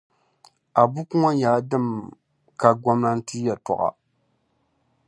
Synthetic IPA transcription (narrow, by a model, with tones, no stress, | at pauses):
a˨bu˦ku˦ŋa˦ɲaː˨˦dɨ˦˨m | ka˨ɡʷɔ˦mna˦n̩˦ti˦ja˨tɔ̰˨ʔa̰˨